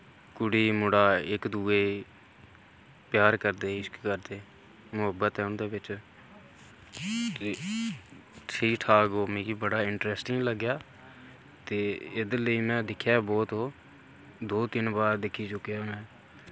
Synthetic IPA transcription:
kʊɽiːmʊɽaːɪkd̪uːeː | pjaːɾkəɾd̪eːɪskkəɾd̪eː | mʊɦəbːət̪ɦɛːʊnd̪eːʋɪt͡ʃ | t̪eː | ʈʰiːʈʰaːɡoːmẽːkiːbəɽaːɪɳʈɾɛːsʈɪ̃ŋɡləɡjaː | t̪eːɪd̪eləiːmɛ̃ːd̪ɪkʰːjaːbɔːt̪ɦoː | d̪oːt̪ɪnbaːɾd̪ɪkʰːiːt͡ʃʊkjamɛ̃ː

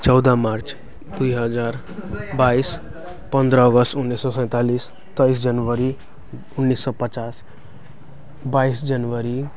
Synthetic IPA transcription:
t͡ʃʌwd̪amaɾt͡ʃ | d̪ujɦʌd͡zaɾ | bais | pʌnd̪ɾʌːɡʌst̪unːisːɔsə̃j̃t̪alis | t̪ʌjsd͡ʒʌnwəɾi | unːisːɔpət͡ʃas | baisd͡ʒʌnwəɾi

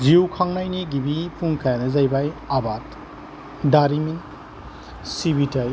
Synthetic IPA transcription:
ziwkʰaŋnajniɡibipʰuŋkʰajanɐzajbajabat | daɾimi | sibitaj

